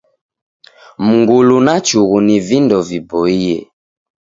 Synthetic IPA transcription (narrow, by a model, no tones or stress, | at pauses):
muŋɡulunat͡ʃuɣunivindɔvibɔijɛ̰